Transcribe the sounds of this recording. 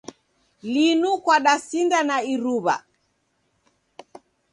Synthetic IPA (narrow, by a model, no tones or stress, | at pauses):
linukwaɗasindanaiɾuβa̰